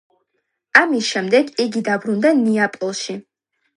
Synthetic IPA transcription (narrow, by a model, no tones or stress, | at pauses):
amisʃɛmd̪ɛɡiɡid̪abɾund̪aniapʼɔlˠʃi